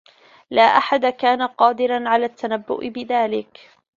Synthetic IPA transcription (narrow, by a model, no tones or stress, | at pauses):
laːʔaħad̪akaːnaqɑːd̪ɪɾanʕalaːt̪ːanabːʊ̰ʔɪbɪðaːlɪk